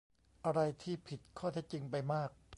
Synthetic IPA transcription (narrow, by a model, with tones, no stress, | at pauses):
ʔa˧ɾa˧jt̪ʰiː˥˩pʰi˨˩t̪̚kʰɔː˥˩t̪ʰe˦˥˩k̚t͡ɕi˧ŋpa˧jmaː˥˩k̚